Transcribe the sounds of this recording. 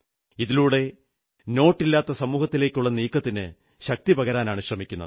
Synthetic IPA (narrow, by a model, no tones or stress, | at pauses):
iðiluːɽe̞ | no̞ːʈːilːaːt̪ːɐsɐmuːhɐt̪ːile̞ːkʲːuɭːɐniːkːɐt̪ːinɨ | ɕɐk̚t̪ibɐɣɐɾaːnaːɳuɕrɐmikʲːunːɐ̰ð